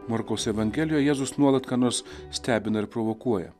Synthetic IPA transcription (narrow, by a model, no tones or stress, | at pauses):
mɐɾkɐʊsɛʋɐŋʲɡʲɛlʲɪjoːjɛjæːzʊsnuɔlˠɐt̪kɑːnoɾssʲt̪ʲæːbʲɪnɐɪɾpɾoʋokuɔjɛ̰